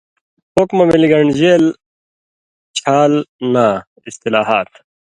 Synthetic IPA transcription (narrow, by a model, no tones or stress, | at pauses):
pokmɐmiliɡɐɳɖd͡ʑeːl | t͡ɕʰaːlnaː | ist̪ilaːɦaːt̪̚